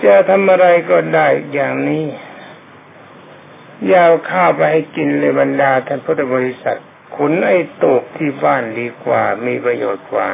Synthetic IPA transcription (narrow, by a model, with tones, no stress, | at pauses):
t͡ɕa˧˩t̪ʰa˧mʔa˧ɾa˧jkɔː˧˩daː˥˩jjaː˨˩ŋniː˦˥˨ | jaː˧˩wkʰaː˥˩wpa˧jha˥˩jki˧nlɤː˧˩jba˧ndaː˧t̪ʰɛː˧˩ŋpʰu˦˥t̪ʰːa˧bɔː˧ɾi˦˧˥sa̰˨˩t̪̚ | kʰu˧˦nʔa˧˩jt̪oː˨˩p̚t̪ʰiː˧˩baː˥˩ndiː˧kwa̰ː˨˩miː˧pɾa˧joː˨˩t̪̚kwa̰ː˨˩